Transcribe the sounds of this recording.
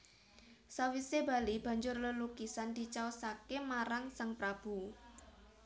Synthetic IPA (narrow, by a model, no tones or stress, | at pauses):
sawiseba̤lib̥a̤ɲd͡ʒʊrləlukisand̪̥i̤t͡ʃaosakemaɾaŋsaŋpɾab̥u